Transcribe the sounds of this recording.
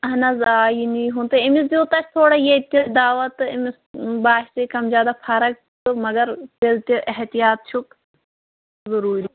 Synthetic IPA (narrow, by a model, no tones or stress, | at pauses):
ɐɦɐnɐzaːjiniɦũːnt̪ɨɪmiszuːt̪ɐkʰt̪ʰoːɽajet̪ʲid̪aːʋɐt̪ɨɪmis | baːɦsekɐmzʲjaːd̪aːfʰɐɾɐk̚ | t̪ɨmɐɡɐɾp̪elt̪iʔɪɦt̪ijaːt̪̚t͡ʃʰuk | zɐɾuːɾ